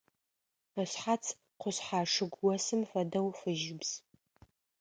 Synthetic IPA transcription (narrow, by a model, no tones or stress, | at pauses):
əɕħat͡sʰ | qʷʊɕħaːʂɨɡʷwɔsɨmfɐdɐwfɨʒɪbz̥